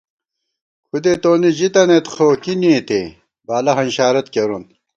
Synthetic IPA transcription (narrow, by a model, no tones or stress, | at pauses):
xud̪et̪oːnid͡ʑit̪ɐnet̪xoːkiniːt̪e | baːlɐɦɐnɕaːɾɐt̪̚keɾun